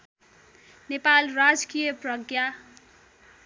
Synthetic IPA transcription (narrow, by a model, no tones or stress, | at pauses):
nepalrad͡zkijʌprʌɡja